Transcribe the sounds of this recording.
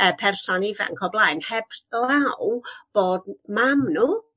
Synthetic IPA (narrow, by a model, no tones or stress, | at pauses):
əpʰɛrsɔnivɛ̰nkʰɔblˠaːjnhɛbawb̥oːdmamnuː